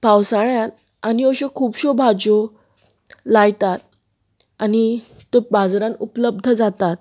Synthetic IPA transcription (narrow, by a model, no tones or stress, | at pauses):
pawsaɭjãn | anioɕokʰuːpɕobʱad͡ʑo | lajt̪at̪̚ | anit̪obad͡zɾãnupləb̚d̪ʱəd͡zat̪at̪̚